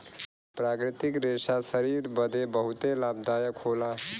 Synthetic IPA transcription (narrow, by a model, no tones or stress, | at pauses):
pɾakɾit̪ikɾesasəɾiɾbəd̪ʱebəɦut̪elab̚d̪ajəkʰola